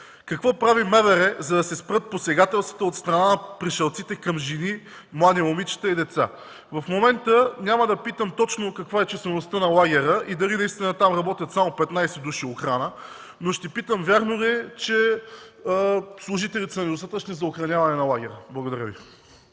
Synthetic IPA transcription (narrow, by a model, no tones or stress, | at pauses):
kɐkvɔpɾavimɛvɛɾɛzɐd̪ɐsɛspɾɤt̪̚posɛɡat̪ɛlˠst̪vɐ̥t̪əot̪st̪ɾɐnanɐpɾiʃɐlˠt̪sit̪ɛkɐmʒini | mlˠad̪iɛmomit͡ʃi̥t̪ɛid̪ɛt̪sa | vɐfmomɛnt̪ənʲaməd̪ɐpit̪əmt̪ɔt͡ʃnokɐkvaɛt͡ʃɛslɛnost̪ənɐlˠaɡʲɛɾəʔid̪ɐlinɐist̪inət̪amɾɐbɔt̪ʲjət̪samopɛt̪najsɛd̪uʃioxɾanə | noʃt̪ɛpit̪əmvʲjaɾnolɛt͡ʃɛ | slˠʊʒit̪ɛlʲit̪sɐnɛd̪ost̪at̪ət͡ʃnizɐoxɾɐnʲavɐnɛnɐlˠaɡʲɛɾəblˠɐɡod̪ɐɾəvi